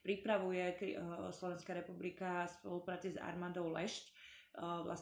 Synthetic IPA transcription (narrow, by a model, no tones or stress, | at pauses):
pɾipɾaʋujɛkislɔʋɛnskaɾɛpublikaspɔlupɾaːt͡siza̰ɾmaːd̪ɔʊlɛʃc | la̰s